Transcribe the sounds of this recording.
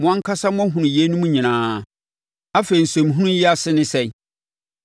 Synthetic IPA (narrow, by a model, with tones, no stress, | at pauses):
mʊ̃˦ã˦ŋ̩˦kʰa˦sa˦mʊ̃˦ɦʊ̃˨nʊ̃˨jɛ˦nũ˦mũ˦ɲĩ˨nãː˨˦˨ | a˦fe˨i˨n̩˨sɛ̃˨m˨ɦũ˦nũ˦jɛ˦a˨sɪ˦nɪ̃˦sɛ˦˨˦